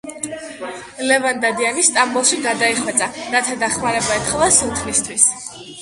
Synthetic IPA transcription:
lɛvand̪ad̪ianist̪ʼambulˠʃiɡad̪aiχwɛt̪sʼaɾat̪ʰad̪aχmaɾɛbaɛt̪χɛlˠasut̪ʰnist̪ʰwis

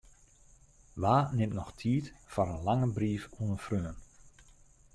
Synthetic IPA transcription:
ʋaːnɪmtnɔxtʰiːtfaɾənlaŋəbriːfuənəfrøːən

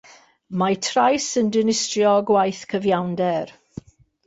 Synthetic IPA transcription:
matʰrajsəndɪnɪstrjɔɡwajθkʰəvjawndɛr

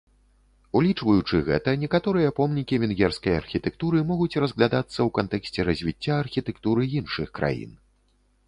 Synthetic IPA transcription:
ulʲit͡ʂvɐjut͡ʂɨɣɛ̰t̪ɐnʲɛkat̪ɔɾɨjɐpɔmnʲikʲivʲɛnɣʲɛrskɐja̰rxʲit̪ɛk̚t̪uɾɨmɔɣut͡sʲrɐzɣlʲad̪at̪sːɐwkant̪ɛksʲt͡sʲɛɾɐzʲvʲit͡sʲːaːrxʲit̪ɛkt̪uɾɨinʂɨxkɾa̰jḭn

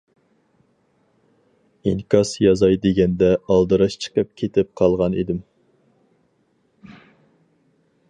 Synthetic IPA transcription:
iŋkʰɑsjɑzɑjd̪eɡʲɛnd̪ɛɑlˠd̪ɨɾɑʃt͡ʃʰə̥qʰəp̚kʲʰet̪ʰɪp̚qʰɑlˠʁɑnḭd̪ɪm

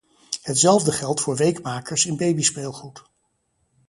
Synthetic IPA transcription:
ɦətsɛlˠvdəχɛlˠtfʊːɹʋejkmaːkəɹsɪnbejbispeːlˠχrut

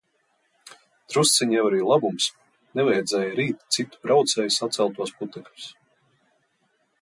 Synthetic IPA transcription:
t̪ɾust̪siɲjɛvaɾiːlˠabums | nɛvɛjd̪zɛːjɾiːt̪t̪sit̪u̥bɾawt̪sɛːjsat̪sælˠt̪uɔsput̪ɛklʲu̥s

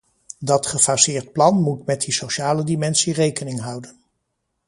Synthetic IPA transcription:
dɑtχəfasɪːɹt̚plɑnmutmɛt̚disowʃaːlədimɛnsirejkənɪŋɦʌwdən

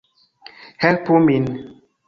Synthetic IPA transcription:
hɛlpumin

